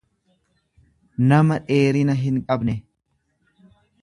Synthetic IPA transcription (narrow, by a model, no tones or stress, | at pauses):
nɐmɐᶑe̞ːɾɪnɐɦɪŋkʼɐbnɛ